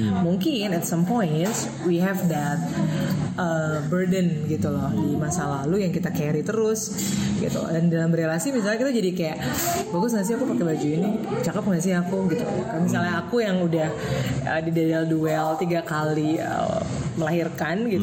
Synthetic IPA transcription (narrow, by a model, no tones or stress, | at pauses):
muŋkɪnɛt̪sɔmpɔjnts | wiɦɛfd̪ɛt̪̚ʔəbərdənɡit̪ulɔhdimasalalujaŋkit̪akɛɾit̪əɾʊs | ɡḭt̪ṵlɔ̰dandalambəɾelasimis̬alɲakit̪ad͡ʒadikajaʔbaɡʊsŋas̬iakupakɛbad͡ʒuinit͡ʃakəp̚ŋas̬iakuɡit̪ṵlɔ̰misalɲaakujaŋudah | ə̰didadalduɛlt̪iɡakaliə̰məlaɦirkanɡit̪